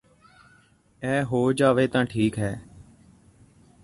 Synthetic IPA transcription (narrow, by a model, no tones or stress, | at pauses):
ɛːɦoːd͡ʒaːʋeːt̪ãːʈʰiːkɦɛː